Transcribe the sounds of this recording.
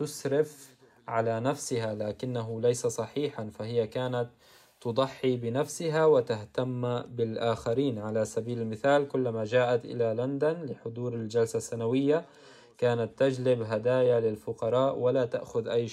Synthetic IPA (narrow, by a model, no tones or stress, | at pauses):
t̪ʊsɾɪf | ʕalanafsɪɦalaːkɪnːaɦʊlajsasˤɑħiːħanfahɪjːakaːnat̪ː | ʊd̪ˤɑħːibɪnafsɪɦawɪt̪aɦt̪amːbɪlʔaːxaɾiːnʕalasabiːlɪlmɪθaːlkʊlːmad͡ʒaːʔat̪ʔɪ̰laland̪anlɪħʊd̪ˤuːɾɪld͡ʒalsasːanawɪjːa | kaːnat̪ːad͡ʒlɪbɦad̪aːjalɪlfʊqɑɾˤɑːʔwalat̪a̰ʔxʊðʔajː